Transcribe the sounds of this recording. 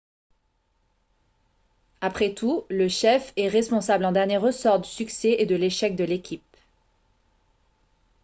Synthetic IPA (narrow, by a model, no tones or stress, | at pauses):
apχɛt̪uləʃɛfɛʁɛspɔ̃sablɑ̃d̪ɛʁnjeʁəsɔʁd̪ysyksɛʔed̪əleʃɛk̚d̪əlekʲip̚